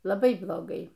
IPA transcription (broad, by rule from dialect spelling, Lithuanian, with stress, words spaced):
lˠɐˈbɐɪ blˠoːˈɡɐɪ